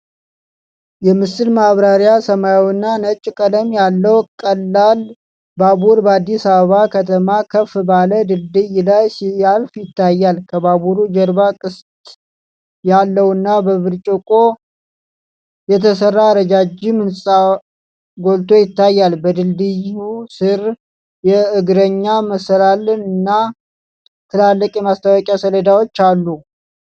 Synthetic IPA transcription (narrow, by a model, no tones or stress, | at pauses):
jɛmɨsɨlmaβɾaɾjasəmajwnːanət͡ʃʼːkʼələmjalːəwkʼəlːal | babuɾbəad̪ːisaβəβakʰət̪ʰəmakʰəfbaləd̪ɨld̪ɨjlajsɪjalfjɪt̪ːajːalkʰəβaβuɾud͡ʒəɾbakʼɨst̪ʼ | jalːəwɨnːabəβɨɾt͡ʃʼəkʼo̞ | jɛt̪ʰəsərːaɾəd͡ʒad͡ʒɪmɨnsʼa | ɡo̞lt̪ʰo̞jɪt̪ːajːalbəd̪ɨld̪ɨjusɨɾ | jɛɨɡɾəɲːaməsəlalɨnɨnːa | t̪ʰɨlalːəkʼjɛmast̪ʰawɔkʼjasələd̪awo̞t͡ʃːalːu